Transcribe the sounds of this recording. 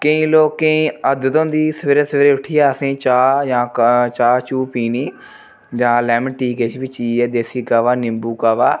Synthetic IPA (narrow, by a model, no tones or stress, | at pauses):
kəĩːloːkːəĩːəd̪ət̪õːnd̪iːsʋeːɾeːsʋeːɾeːʊʈʰːɪjaːəsẽːt͡ʃaːjãːt͡ʃaːt͡ʃuːpiːniː | d͡ʒãːlɛːmʈiːkeːt͡ʃʰːbiːt͡ʃiːɛːd̪eːsiːkaːʋaːnɪmbuːkaːʋaː